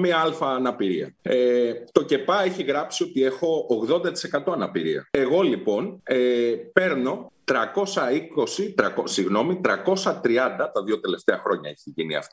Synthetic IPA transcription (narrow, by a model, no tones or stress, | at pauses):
miɐɐlfɐːnɐpiɾiɐ̰et̪o̞ce̞pɐeçiɣɾɐpsio̞t̪ie̞xo̞ːɣðo̞nd̪ɐt̪i̥se̞kɐt̪o̞ɐnɐpiɾḭɐ̰e̞ɣo̞lipo̞nepe̞ɾno̞t̪ɾɐko̞sɐiko̞sit̪ɾɐkosiɣno̞mit̪ɾɐko̞sɐt̪ɾiɐnd̪ɐt̪ɐðio̞t̪e̞le̞ft̪eɐxɾo̞ɲɐ̰eçiʝinḭɐ̰ft̪